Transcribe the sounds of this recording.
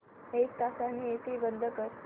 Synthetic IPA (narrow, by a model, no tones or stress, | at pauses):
ek̚t̪asaniet̪ibənd̪ʱəkəɾ